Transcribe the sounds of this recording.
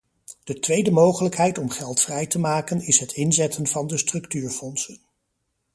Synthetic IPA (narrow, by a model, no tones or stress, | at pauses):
d̥ətʋejdəmowχələkɦɛjtɔmχɛlˠtfrɛjtəmaːkənɪsɦətɪnzɛtʰənvɑndəstrɵktyːɹfɔnsən